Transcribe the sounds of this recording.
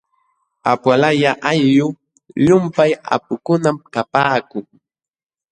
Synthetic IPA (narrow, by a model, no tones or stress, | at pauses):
apwalajaʔajːʊ | ʎʊmpaja̰pʊkʊnamkapaːkʊŋ